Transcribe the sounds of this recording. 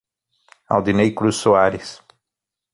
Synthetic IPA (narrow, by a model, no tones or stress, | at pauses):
a̰wd̪inejkɾusːoaɾɪs